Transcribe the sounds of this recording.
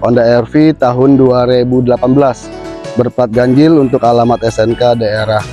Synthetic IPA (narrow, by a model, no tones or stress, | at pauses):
ʔɔndaɛrfit̪aɦʊnduaɾebudəlapanbəlas | bərpat̪̚ɡaɲd͡ʒɪlunt̪ʊkalamat̪ɛsɛnkadaeɾah